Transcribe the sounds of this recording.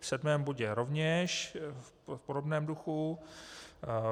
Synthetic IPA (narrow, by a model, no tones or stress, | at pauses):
fsɛdmɛːmbuɟɛɾovɲɛʃ | podo̞bnɛːmduxu